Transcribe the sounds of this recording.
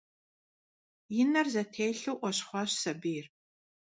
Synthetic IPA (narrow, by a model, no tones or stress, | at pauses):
jɪnɐrzɐtʰeːɬuwʔʷɔɕχʷɔɕsɐbɨjɪr